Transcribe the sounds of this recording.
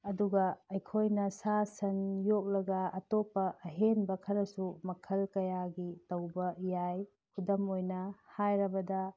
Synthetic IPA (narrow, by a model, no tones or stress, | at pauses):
ɐduɡɐɐjkʰojnɐsasɐnjok̚lɐɡɐːtopɐʔːɦenbɐkʰɐɾɐsumɐkʰɐlkɐjaɡitɐwbɐjaj | kʰudɐmojnɐhajɾɐbɐdɐ